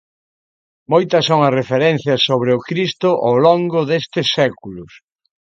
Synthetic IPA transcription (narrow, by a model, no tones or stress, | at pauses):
mojt̪ɐsoŋɐrefeɾɛnθjɐsoβɾɪʊkɾist̪ʊʔawloŋɡʊðest̪ɪsɛkulʊs